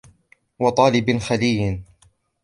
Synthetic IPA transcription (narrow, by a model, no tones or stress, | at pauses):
wɑt̪ˤɑːlɪbxaliːn